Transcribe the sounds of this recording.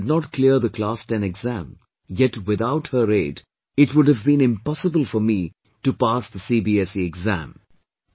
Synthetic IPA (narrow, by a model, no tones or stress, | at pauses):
dnɔt̚kliəɾðəkʰlastɛ̃nɛɡzæ̃m | jɛtwɪðaʊthəɾeːd | ɪtwʊɖɨvbĩnɪ̃mpɑsəbəl̩ˠfɔɾmi | ʈupasðəsibiɛsiɛɡzæ̰̃m